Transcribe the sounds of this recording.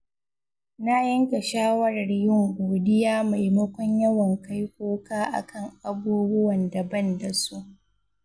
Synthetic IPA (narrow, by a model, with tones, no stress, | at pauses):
na˦jɐ˦ŋka˨ʃaː˦wɐ˦ɾɐ˨rjɪ˦ŋɡʷoː˨dɪ˦jaː˦ma˨jmɐ˦kʷɔ˦ɲjɐ˦wɐ˨ŋka˦jkʷoː˦kaː˦ʔa̰˨kʰɐ˦˨ŋʔa˨buː˦bʊ˦wɐ˨ndɐ˨bɐ˦nda˨su˦ʔ